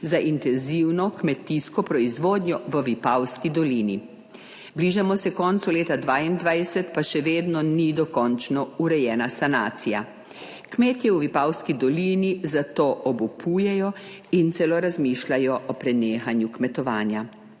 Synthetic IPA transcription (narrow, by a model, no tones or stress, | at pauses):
zaʔint̪ɛnziwnɔkmɛt̪iskɔpɾɔizʋoːd̪ɲjɔʋəʋipawskid̪ɔliːni | bliːʒamɔsɛkɔːnt̪suleːt̪ad̪ʋaːjind̪ʋajsɛt̪paʃɛʋeːd̪nɔnid̪ɔkɔnt͡ʃnɔuɾɛjɛːnasanaːt̪sija̰ | kmeːt̪jɛwʋipawskid̪ɔliːnizat̪oːʔɔbupujɛjɔint̪sɛloɾazmiːʃlajɔʔɔpɾɛneːxanjukmɛt̪ɔʋaːnja